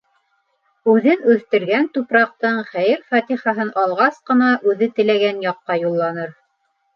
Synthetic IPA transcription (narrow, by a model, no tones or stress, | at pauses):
ʉðɘnʉθt̪ɘ̆ɾɡænt̪upɾɑq̚t̪ɤɴχæjɘɾfɑt̪iχɑɦɤnʔɑlˠʁɑsqɤ̆nɑʔʉðɘt̪ɘ̆læɡænjɑqːɑjulˠːɑnɤɾ